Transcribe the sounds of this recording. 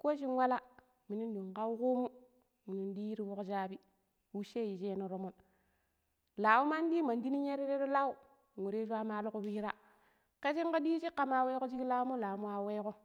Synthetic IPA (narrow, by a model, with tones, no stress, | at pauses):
ko˦ʃ̬i˦n˦wa˦la˦ | mi˨ni˦n˦du˨ŋ˨ka˦u˦ku˦mu˦ | mi˨ni˨n˦di˦jɾi˦wo˦kd͡ʒa˦bi˦ | wu˦ʃe˦˨ji˨d͡ʒe˦no˨ɾo˨mo˦n | la˨u˦ma˦n˦di˦ma˨n˦di˦ni˦ɲe˦ɾe˦ɾe˦ɾo˦la˦u˦˨ | ŋu˨ɾe˦ʃa˦ma˦lo˦ko˦bi˦ɾa˦ | ke˦t͡ʃi˦ŋ˦ko˦di˦t͡ʃi˦kːa˨ma˨we˦ko˦d͡ʒi˦ki˦la˦u˦mo˦la˨˦mu˦wa˦we˦ko˦